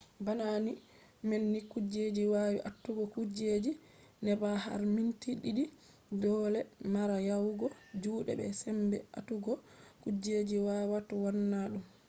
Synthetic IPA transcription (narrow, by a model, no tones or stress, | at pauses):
banani | mɛnːikud͡ʒed͡ʒiwajiʔatːuɡɔkud͡ʒed͡ʒi | nɛbaha̰ɾmintiɗiɗi | d͡ʒɔlɛmaɾajawɡɔd͡ʒuːɗɛ̰bɛ̰sɛmbɛ̰a̰tuɡɔkud͡ʒed͡ʒiwawatɔwanːaɗum